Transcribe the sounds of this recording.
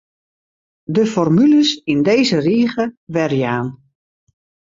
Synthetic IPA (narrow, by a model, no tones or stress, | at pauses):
dəfɔrmyləsindeːzəriːəɣəʋɛrjaːn